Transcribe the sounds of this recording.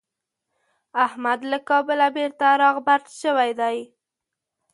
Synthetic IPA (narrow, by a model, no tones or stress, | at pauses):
ahmad̪lakɑbəlabeɾt̪aɾɑɣbaɾt̪ʃəwajd̪aj